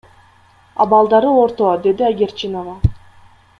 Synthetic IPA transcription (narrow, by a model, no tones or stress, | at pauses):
ɑ̰bɑlˠd̪ɑɾɯoɾt̪od̪e̞d̪iaɡʲeɾt͡ʃinova